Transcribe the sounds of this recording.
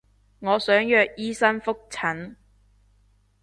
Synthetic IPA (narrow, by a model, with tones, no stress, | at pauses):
ŋɔː˨˧sœː˨˥ŋjœː˨˧k̚jiː˥sɐ˥nfʊ˥k̚t͡sʰɐ˨˥n